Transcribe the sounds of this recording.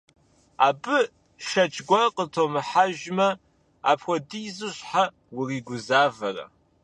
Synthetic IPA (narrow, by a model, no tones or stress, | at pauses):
a̰ːbɨ | ʃɐt͡ʃʼɡʷɐqətʰomɨħaʒmɐ | a̰ːpxʷɔdijzɨɕħa | wʊriːɡʷʊzaːvɐrɐ̰